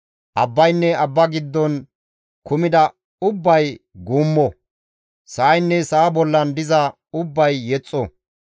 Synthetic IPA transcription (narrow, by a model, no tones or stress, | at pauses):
ʔɐbːɐjnːɛɐbːɐɡɪd̪ːɔn | kʊmɪd̪ɐ | ʊbːɐjɡuːmːɔ | sɐʔːjnːɛsɐːbɔlːɐnd̪ɪzɐ | ʊbːɐjːɛt͡sʼːɔ